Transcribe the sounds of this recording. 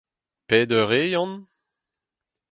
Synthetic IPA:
pɛːd̪øʁejɔ̃n

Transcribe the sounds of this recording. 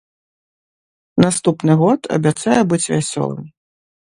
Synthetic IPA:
nast̪upnɨɣɔt̪ʰɐ̰bʲat̪sajɛbɨt͡sʲvʲasʲɔ̰lˠɨ̰mʲ

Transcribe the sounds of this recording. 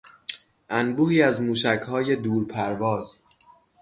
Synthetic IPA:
ʔænbuːhiːæzmuːʃæcʰhɒːje̞d̪uːɾpʰæɾvɒːz

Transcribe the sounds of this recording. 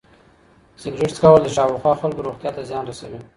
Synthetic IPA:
sɪɡʐɪʈskawəld̪əʃɑwɪxwɑxalkoɾoɣt̪jɑt̪azjɑnɾasawi

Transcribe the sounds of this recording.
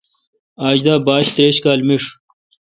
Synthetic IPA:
aːd͡ʑd̪aːbaːɕt̪ɾeːɕkaːlmiʂ

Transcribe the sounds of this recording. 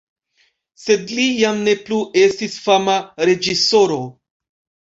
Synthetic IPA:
se̞d̪lijamne̞pluʔe̞stisfamaɾe̞d͡ʒiso̞ɾo̞

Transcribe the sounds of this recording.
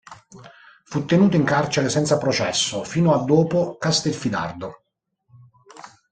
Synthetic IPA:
fut̪ːenuːt̪oiŋkart͡ʃeɾesɛnt̪sapɾot͡ʃɛsːofiːnoad̪ːoːpokast̪ɛlfid̪a̰rd̪o

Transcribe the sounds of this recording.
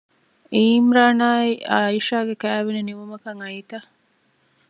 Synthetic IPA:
iːmɾaːnaːiiʃaːɡekæːʋeneniʋumɐkɐŋɐit̪ɐ

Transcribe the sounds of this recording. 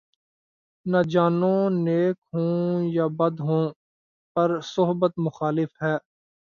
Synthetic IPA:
nad͡ʒaːnõːneːkɦõːjaːbəd̪ɦõː | pɐɾsʊɦbət̪mʊxaːlɪfɦɛː

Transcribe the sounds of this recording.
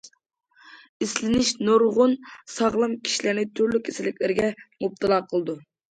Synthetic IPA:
islɪnɪʃnoɾʁʊnsɑʁlˠɑmkʲʰi̥ʃilɪɾnɪt̪ʰyɾlykʲʰːesɪlɪkʲlɪɾɪɡʲɛmup̚t̪ʰɨlˠɑqʰəlˠɨd̪u

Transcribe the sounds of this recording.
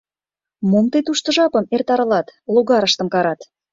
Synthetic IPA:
momt̪et̪uʃt̪ə̆ʒɑpə̆mert̪ɑɾɤ̆lɑt̪loɣɑɾəʃt̪ə̆mkɑɾɑt̪

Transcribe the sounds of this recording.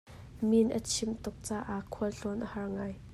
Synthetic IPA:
minʔə̰t͡sʰɪmt̪ʊk̚t͡saːʔakʰːuəlɬɔnʔəhɐrŋaːj

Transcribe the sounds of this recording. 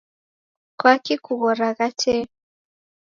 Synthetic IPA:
kwakikuɣɔɾaɣat͡ʃʰɛ

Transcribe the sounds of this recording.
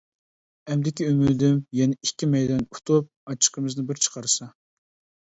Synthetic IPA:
ɛmd̪ɪkʲiymyd̪ymjɛnɪikʲːimɛjd̪ɑnut̪ʰup̚ɑt͡ʃʰːə̥qəmɨznɨbɪɾt͡ʃʰə̥qʰɑɾɨsɑ

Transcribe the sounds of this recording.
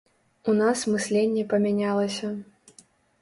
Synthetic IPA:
unasmɨsʲlʲenʲːɛpɐmʲanʲalˠɐsʲɐ

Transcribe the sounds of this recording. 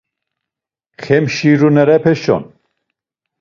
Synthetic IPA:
xʰemʃiːɾunɛɾɛpʰeʃɔ̰n

